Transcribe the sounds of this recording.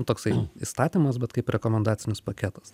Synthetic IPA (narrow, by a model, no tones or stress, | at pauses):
t̪oːksɐɪist̪ɑːt̪ʲiːmɐsbʲɛt̪kɐɪpɾʲɛkoːmʲɛnd̪ɑːt̪sʲɪnʲɪspɐkʲæːt̪ɐ̥s